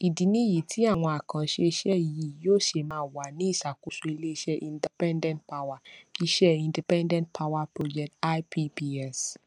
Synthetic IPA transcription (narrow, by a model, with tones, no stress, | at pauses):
i˨di˨nĩ˦ji˨tʰi˦a˦˨w̃ɔ̃˧a˨kã˨ʃe˧˦ʃɛ˦˨ji˨joː˦˨ʃe˨mãː˦wa˨nĩ˨˦i˦˨sa˨ko˨su˧i˧le˦ʃɛ˦ʔĩ˨˧ndi˨pɛ̃˦ndɛ̃˦nt̚pa˦wa˨i˦ʃɛ˦ĩ˧ndi˨pɛ̃˦ndɛ̃˦nt̚pʰa˦wa˧pɾo˦d͡ʒɛ˨kta˦pʰi˦pi˦ɛ˦˨s